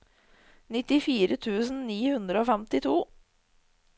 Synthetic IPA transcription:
nɪt̪ɪfiːɾət̪ʰʉːsn̩niːhʉnd̪ɾəoːfɛmt̪ɪt̪ʰuː

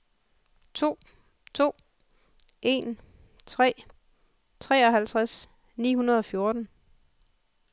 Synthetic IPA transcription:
t͡sʰo̝̰ː | t͡sʰo̝̰ː | ʔe̝n | t͡sʰʁɛ̰ː | t͡sʰʁɛ̰ːɒ̽ɦælt͡sʰʁas | nḭːɦunɐð̞ˠɒ̽fjo̝ɐd̥n̩

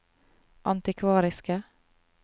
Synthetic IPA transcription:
ʔɑ̰nt̪ɪkʰʋɑːɾɪskə

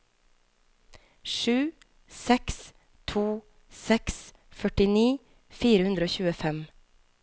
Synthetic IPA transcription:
ʃʉː | sɛks | t̪ʰuː | sɛks | fœʈɪniː | fiːɾəhʉnd̪ɾəoːçʉːəfɛm

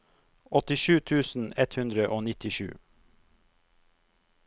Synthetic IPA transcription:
ɔt̪ɪʃʉːt̪ʰʉːsn̩ɛt̪hʉnd̪ɾəʔoːnɪt̪ɪʃʉ̰ː

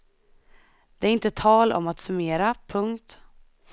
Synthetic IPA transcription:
d̪̥ɛæɾɪnt̪ət̪ʰɑːlɔ̰mat̪sɵmeːɾapʰɵŋkt̪

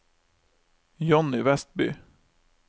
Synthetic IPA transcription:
jɔnɪvɛst̪̚bʏ̰

